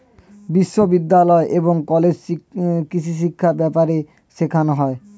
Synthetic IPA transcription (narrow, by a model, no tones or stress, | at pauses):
biʃːobid̪ːalɔeʔeboŋkɔled͡ʑkit͡ɕʰiʃ̬ikʰːabɛpaɾe | ʃekʰanoɦɔe